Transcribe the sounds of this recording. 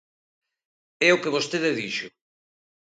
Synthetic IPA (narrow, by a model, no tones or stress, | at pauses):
ɛokeβost̪eðeðiʃʊ